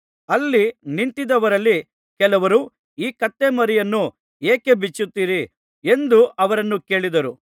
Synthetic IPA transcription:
ɐlːiniɳʈid̪ɐʋɐɾɐlːi | kɛlɐʋɐɾu | iːkɐt̪ːemɐɾijɐnːu | eːkebit͡ʃːut̪ːiːɾi | e̞nd̪uɐʋɐɾɐnːuke̞ːɭid̪ɐɾu

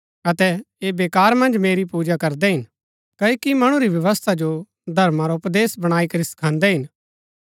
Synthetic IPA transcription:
ɐt̪ɛ | eːbeːkaːɾmɐ̃nd͡ʒmeːɾipuːd͡ʒakɐɾd̪ɛɦɪn | kɐekimɐɽ̃ũɾiʋjɐʋəst̪ʰad͡ʒo | d̪ʱɐɾmaɾaʊpd̪eːsbɐɽ̃aːikɐɾisɐ̥kʰãːnd̪ɛɦɪn

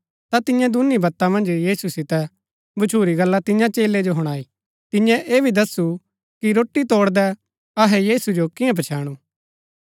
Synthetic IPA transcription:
t̪at̪ɪjãd̪ʊnibɐt̪ːamɐ̃nd͡ʒjiːsusɪt̪ɛ | bʊt͡ʃʰuːɾiɡɐlːat̪ɪɲãt͡ʃeːlːed͡ʒoɦɔɽ̃aːiː | t̪ɪ̃jɛ̃ʔeːbʱid̪ɐsu | kiɾoːʈːit̪oːɽd̪ɛ | ɐɦɛjiːsud͡ʒokɪ̃ãp̬ɐt͡ʃʰaːɽ̃uː

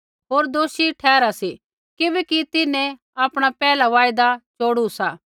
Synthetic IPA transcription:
ɦoːɾd̪oːʃiʈʰɛːɾasi | kɪbɛkit̪ɪnẽ | aːpɽ̃apɛːlaʋaːɪd̪at͡ʃoːɽusaː

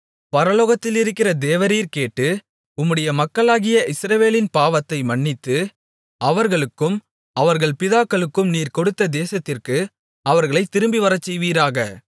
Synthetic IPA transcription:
pɐɾɐloːɣɐt̪ːɪlɪɾɯkːɪrɐd̪eːʋɐɾiːɾkeːʈːɯ | ʊmːɯɽɐjɐmɐkːɐɭaːɣɪjɐʔɪsɾɐʋeːlɪnpaːʋɐt̪ːɐɪmɐɳːɪt̪ːɯ | ɐʋɐɾɣɐɭɯkːɯm | ɐʋɐɾɣɐɭpɪðaːkːɐɭɯkːɯmniːɾkɔɽɯt̪ːɐd̪eːsɐt̪ːɪrkɯ | ɐʋɐɾɣɐɭɐɪt̪ːɪɾɯmbiʋɐɾɐt͡ʃːɛjʋiːɾaːɣɐ

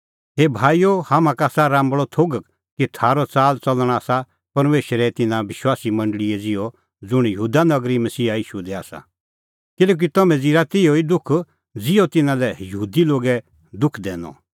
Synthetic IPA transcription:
ɦebʱaːijohamãkaːsaɾãːmbɭɔt̪ʰoːɡk | kit̪ʰaːɾɔt͡saːlt͡sɐlɽ̃aːsa | pɐɾmeːʃɾɛt̪ɪnãʋɪʃwaːsimɐ̃ɳɖəɭiɛd͡zɪɔ | d͡zʊɽ̃jɐɦuːd̪anɐɡɾimɐsiːaiːʃud̪ɛa̰ːsa̰ | kɪlɛːk̬it̪ɐmɛ̃d͡ziɾat̪ɪjoid̪ʊkʰ | d͡zɪjɔt̪ɪnãlɛjɐɦuːd̪iloːɡɛ | d̪ʊkʰd̪ɛːnɔ̰̃

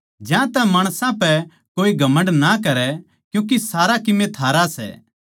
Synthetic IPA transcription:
d͡ʒjãt̪ɛmaːɽ̃sãpɛ | koːiɡʱɐmə̃ɳɖnakɐɾɛ | kjũːk̬isaːɾakɪmet̪ʰaːɾasɛ̰ː

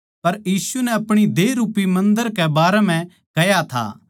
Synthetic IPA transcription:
pɐɾjiːsunɛɐpɽ̃id̪eːɾuːpimɐ̃nd̪əɾkɛbaːɾɛm̤ɛ̃ | kɐjat̪ʰa̰ː

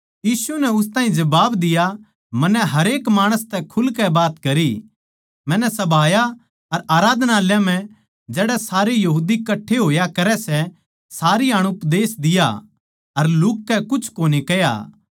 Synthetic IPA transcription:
jiːsunɛʊs̬t̪aːɦĩd͡ʒɐbaːbd̪ɪja | mɐ̃nːɛɦɐɾeːkmaːɽ̃əst̪ɛkʰʊlkɛbaːt̪kɐɾi | mɛ̃ːnɛsɐbʱaːja | ɐɾaːɾaːd̪ʱnaːljãm̤ɛ̃ | d͡ʒɛːɽɛsaːɾejɐɦuːd̪ikɐʈʰːeɦoːjakɐɾɛsɛ | saːɾiɐɽ̃ʊpd̪eːsd̪ɪja̰ | ɐɾlʊːkːɛkʊt͡ʃʰkoːnikɛja̰

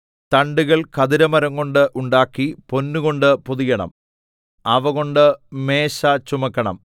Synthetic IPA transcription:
t̪ɐɳɖuɣɐɭkɐðiɾɐmɐɾɐŋko̞ɳɖɨʔuɳɖaːkːipo̞nːuɣo̞ɳɖɨpuðijɐɳɐ̰m | ɐʋɐɣo̞ɳɖɨmeːɕɐt͡ɕumɐkːɐɳɐ̰m

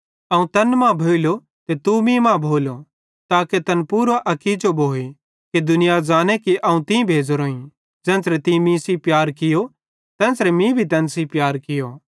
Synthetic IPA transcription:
ɐũt̪ɐnmãbʱoːilo | t̪et̪umĩmãbʱoːlo | t̪aːket̪ɐnpuːɾaʔɐkid͡ʒobʱoːi | ked̪ʊnɪjad͡zaːnɛkiʔɐũt̪ĩbʱeːd͡zoɾoːĩ | d͡zɛ̃ːnsɾɛt̪ĩmĩsipjaːɾkɪjo | t̪ɛ̃ːsɾɛmĩbʱit̪ɐ̃nsipjaːɾkɪjoː

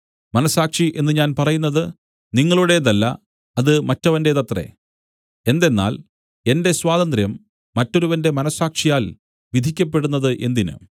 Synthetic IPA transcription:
mɐnɐsaːkʂiʔe̞nːɨɲaːnpɐrɐjunːɐðɨ | niŋːɐɭuɽe̞ðɐlːɐ̰ | ɐðɨmɐtːɐʋɐndeðɐt̪rḛ | e̞nd̪e̞nːa̰ːl | e̞nde̞swaːðɐnd̪ɾjɐmː | ɐtːo̞ɾuʋɐnde̞mɐnɐsaːkʂijaːl | ʋid̪ʱikʲːɐp̬ːe̞ɽunːɐðɨʔe̞nd̪inɨ̰

